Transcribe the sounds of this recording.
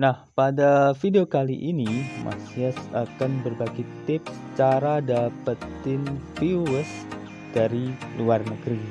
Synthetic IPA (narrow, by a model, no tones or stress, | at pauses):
nahpadafideokaliʔinimʔa̰siasakanbərbaɡɛt̪ɪp̚sət͡ʃaɾadapat̪ɪnfiwəs | d̥aɾiluarnəɡɾi